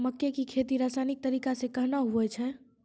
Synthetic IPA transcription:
məkːekikʰeːt̪iɾaːsaːnɪk̚t̪əɾiːkasekəɦnaɦuɛt͡ʃʰɛː

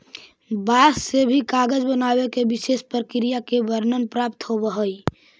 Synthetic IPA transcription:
basːebʱikaɡəd͡ʒbənabekebisespɾəkɾijakebəɾnənpɾap̚t̪ɦobəɦəj

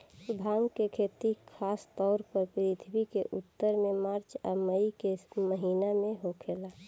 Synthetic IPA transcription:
sʊbʱaːŋɡkekʰeːt̪ikʰaːst̪ɔːɾpəɾpɾɪt̪ʰbikeʔʊt̪ːəɾmẽmaːɾt͡ʃə̰məikeməɦiːnamẽɦokʰeːlaː

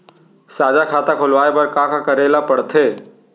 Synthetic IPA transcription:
saːd͡ʒakʰaːt̪akʰolʋaːebəɾkãkakəɾelapəɽt̪ʰeː

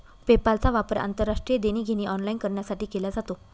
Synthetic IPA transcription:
pepalt͡saʋapəɾa̰nt̪əɾːaʂʈɾijed̪eñiːɡʱeñiːʔɔnlainkəɾɳjasaʈiːkelad͡zat̪o

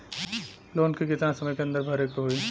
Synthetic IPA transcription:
loːnkikit̪nasəməjkeɐ̃nd̪əɾbʱəɾektoɦoi

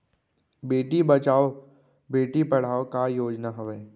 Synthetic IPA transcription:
beːʈibɐt͡ʃaːo | beːʈipɐɽ̤aːokajoːd͡ʒnaɦɐʋeː

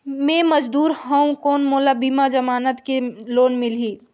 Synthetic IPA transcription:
mẽːmɐd͡ʒd̪uːɾɦɐũkoːnmoːlabiːmad͡ʒɐmaːnət̪keloːnmɪliː

